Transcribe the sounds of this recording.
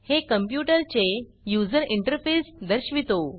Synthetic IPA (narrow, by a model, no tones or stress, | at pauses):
hekəmpjuʈəɾt͡ɕe | jud͡zəɾiɳʈəɾfesd̪əɾɕʋit̪o